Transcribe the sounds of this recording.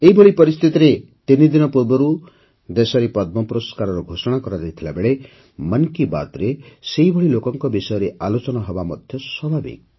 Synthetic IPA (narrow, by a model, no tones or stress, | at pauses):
eibʱɔɭipɔɾist̪ʰit̪iɾe | t̪inid̪inɔpuɾbɔɾu | d̪esɔɾepɔd̪̚mɔpɾoskaɾɔɾuɡʱosɔɽ̃akɔɾad̪ejt̪ʰilabeɭe | mankiba̰t̪ɾeseɦibʱɔɭilokɔŋkɔbisɔjɔɾealot͡ʃɔnɔɦɔbamɔd̪ʱjɔswɔbʱabḭk̚